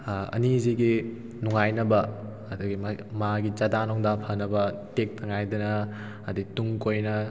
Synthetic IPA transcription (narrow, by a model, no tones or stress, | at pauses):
ɐ̰niziɡi | nuŋajnɐbɐː | dɐɡimmaɡid͡ʒadanɔŋdapʰɐnɐbɐtek̚tʰɐŋajdɐnɐː | d̪ituŋkojnɐ